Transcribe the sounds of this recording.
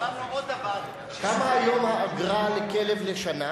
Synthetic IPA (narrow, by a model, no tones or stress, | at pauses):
kamaːjo̞mhaːɡʁalekelevleʃana